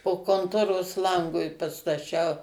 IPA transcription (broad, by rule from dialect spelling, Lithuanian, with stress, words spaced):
poː koːnˈtoːroːs ˈlˠɐŋɡʊɪ pɐstɐˈt͡ʃʲɛʊ